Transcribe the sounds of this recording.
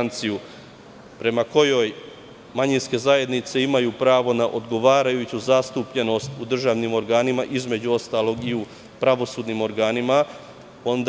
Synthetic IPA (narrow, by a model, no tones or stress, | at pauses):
nt̪siju | pɾe̞mako̞jo̞j | maɲinske̞zaje̞d̪nit̪se̞imajuːpɾaːʋo̞naʔo̞d̪ɡo̞ʋaːɾajut͡ɕuzast̪upʎe̞no̞st̪ud̪r̩ʒaːʋnimo̞ɾɡaːnimaʔizme̞d͡ʑuo̞st̪aːlˠo̞ɡiu | pɾaʋo̞suːd̪nimo̞ɾɡaːnima | o̞nd̪